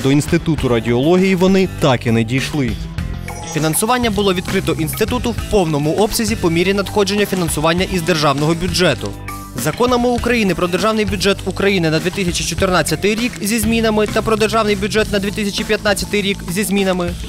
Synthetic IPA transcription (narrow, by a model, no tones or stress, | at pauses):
d̪ɔinst̪ɪt̪ut̪ʊɾɐdʲiɔlˠɔɦʲijiʋɔnɪt̪ɑkinɛdʲijʃlˠɪ | fʲinɐnsʊʋɑnʲːɐbʊlˠɔʋʲid̪kɾɪt̪ɔʔinst̪ɪt̪ut̪ʊwpɔwnɔmʊʔɔbsʲɐzʲipɔmʲiɾʲinɐd̪xɔd͡ʒe̞nʲːɐfʲinɐnsʊʋɑnʲːɐʔizd̪erʒɑwnɔɦɔbʲʊd͡ʒɛt̪ʊ̰ | zɐkɔnɐmɪukɾɐjinɪpɾɔd̪erʒɑwnɪjbʲʊd͡ʒɛt̪ukɾɐjinɪnɐd̪ʲʋʲit̪ɪsʲɐt͡ʃʲit͡ʃɔt̪ɪrnɑt͡sʲːɐt̪ɪjɾʲikzʲizʲmʲinɐmɪt̪ɐpɾɔd̪erʒɑwnɪjbʲʊd͡ʒɛt̪nɐd̪ʋʲit̪ɪsʲɐt͡ʃʲipʲjɐt̪nɑt͡sʲːɐt̪ɪjɾʲikzʲizʲmʲinɐmɪ